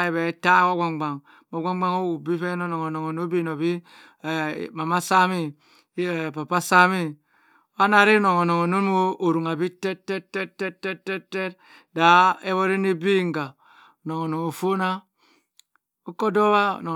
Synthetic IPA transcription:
e˨βɛ˨˦ta˦wo˦ɡa˨ŋɡ͡ba˨ŋ | bo˨˦ɡa˦ŋ˦ɡ͡ba˦ŋo˦wu˨bi˦fe˦no˦no˨ŋo˨no˨ŋo˨no˦bi˦˨no˨βi˦˨ | ma˨ma˦sa˦mi˦˨ | pa˨pa˦sa˦mi˦˨˦ | a˦na˦˨ɾi˦no˨ŋo˨no˨ŋo˨no˦n˦wo˦ʔo˨ɾu˨ŋa˨bi˦tɛ˦tɛ˦tɛ˦tːɛ˦tːɛ˦tːɛ˦tːɛ˦t | da˨e˦βo˦ɾi˦ni˦bi˦ŋ˨ɡa˨ | no˨ŋo˨no˨ŋo˨fo˦na˦ | o˦ko˦do˦βa̰˦˨n˨

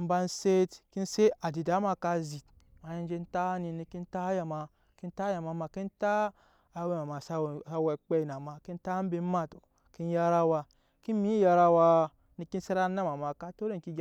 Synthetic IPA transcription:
m̩˦ba˧nse˦tki˦nse˦ʔa˨di˨da˨˦ma˧ka˧zi˨t | ma˨je˦n˦d͡ʒe˦n˦ta˦ni˧ni˧ki˦nta˦ja˨ma˨ | ki˦n˦ta˦ja˨ma˨ma˨ki˦ntaː˦˨˦ | we˦ma˨ma˨sa˦˨a˧we˨k͡pe˦˨na˨ma˨ki˦n˦ta˦m˦be˧˦ma˦˨to˨ | ki˦n˦ja˧ɾa˦wa˧ | ki˦mi˦ja˧ɾa˧wa˧ | ni˨˦ki˦se˦ɾa˦na˦ma˨ma˨ka˦to˦ɾe˦˨ŋ˨ki˦ɡ

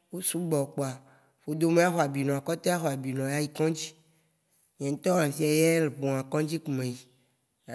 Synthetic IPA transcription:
wo˦su˦ɡ͡bɔ˨k͡pɔ˨a˨ | ɸo˦d̪o˦me˦a˦xɔ˨a˨bi˨nɔ̃˨a˨kɔ˦t̪e˦a˦xɔ˨a˨bi˨nɔ̃˨ja˦ji˨kɔ̃˦d͡ʑi˦ | ɲɛ̃˨˦t̪ɔ˦wã˨si˦a˨jɛ˦le˨ɸo˨a˨kɔ̃˦d͡ʑi˦ku˨mẽ˨ji˨

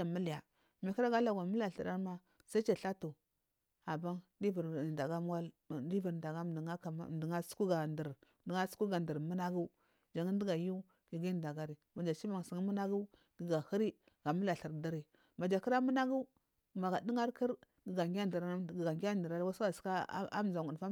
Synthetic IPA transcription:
a˨mu˦li˨ja˨ | mi˨ki˦ɾa˦ɡa˦la˨ɡa˨mu˦la˨ɬə˨ɾa˦ɾma˦ | sa˦i˦t͡ʃa˨ɬa˦tu˨ | a˨ba˦ŋdi˦vu˨ɾnda˨ɡa˦m˦wa˦l | di˦vu˨ɾnda˨ɡa˦˨ŋa˦a̰˨˦˨di˨ŋa˦su̥˦ku˦ɡa˨ndə˨ɾ | di˨ŋa˦su̥˦ku˦ɡa˨ndə˨ɾmu˦na˦ɡu˦ | d͡ʒa˨ŋi˦di˦ɡa˨ju˦ | ɡi˨ɡi˦nda˨ɡa˦ɾi˨ma˨d͡ʒa˨t͡ʃi˦ma˨ŋ˨si˨ŋ˦mu˦na˦ɡu˦ | ɡ̥i˨ɡa˨hi˦ɾi˦ | ɡ̥a˨mu˦la˨ɬi˨ɾda˦ɾi˨ | ma˨d͡ʒa˨ki˦ɾa˦mu˦na˦ɡu˦˨ | ma˨ɡa˨di˦ŋa˦ɾki˦ɾ | i˨ɡa˨ŋɡʲa˦n˨də˨ɾa˦˨ɡɡa˨ɡʲa˦ndə˨ɾa˦lwa˦sa˦wa˨ska˦a̰˦m˨za˨ŋ˨ɡu˨n˨fa˦

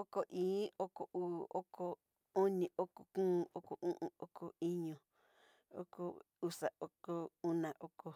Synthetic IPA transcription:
o˦ko˨ʔĩː˨˦o˦ko˨ʔuː˦˨o˦kʰo˧ | o˦nĩ˨ʔo˦ko˨kũː˦˧o˦ko˨ʔũ˦ʔũ˧o˦kʰo˨i˦ɲõ˨ | o̰˦ko̰˨ | u˦sa˨o˦ko˧u˦nã˨ʔo˦ko˧

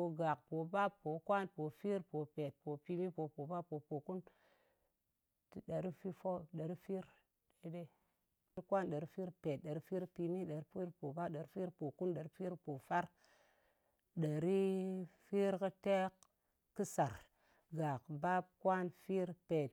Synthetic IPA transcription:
o˨ɡa˨kpo˨ba˦bːo˨kwa˦npo˨fi˦ɾpo˨pe˨t̚po˨pi˦˧mi˦po˨po˨ba˦pːo˨po˨ku˦n | ti˨ɗa˨ɾi˦fi˦fo˦ɗa˨ɾi˦fi˦ɾ | de˨de˦ | ɾi˦kwa˦nɗa˨ɾi˦fi˦ɾpe˨t̚ɗa˨ɾi˦fi˦ɾpi˧mi˦ɗa˨ɾi˦fi˦ɾpo˨ba˦ɗa˨ɾi˦fi˦ɾpo˨ku˦nɗa˨ɾi˦fi˦ɾpo˨fa˦ɾ | ɗa˨ɾi˦fi˦ɾkə˦te˦k | kɨ˦sa˨ɾ | ɡa˨kba˦b̚kwʷa˦nfi˦ɾpe˨t̚

